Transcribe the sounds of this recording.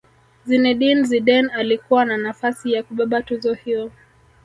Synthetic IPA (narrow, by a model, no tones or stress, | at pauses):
zinɛɗinziɗɛnalikuwananafasijakuɓaɓatuzɔhiɔ